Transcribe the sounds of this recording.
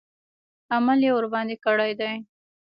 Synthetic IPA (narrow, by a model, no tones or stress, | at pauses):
amaljewʊɾbɑnd̪ekaɽajd̪aj